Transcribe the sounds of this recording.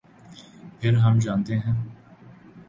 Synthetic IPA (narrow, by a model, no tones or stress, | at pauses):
pʰɪɾɦəmd͡ʒãːnt̪eɦɛ̃ː